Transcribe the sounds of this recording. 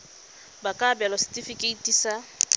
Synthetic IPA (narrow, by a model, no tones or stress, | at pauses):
bakʼabɛlɔstʼifikʼeitʼisa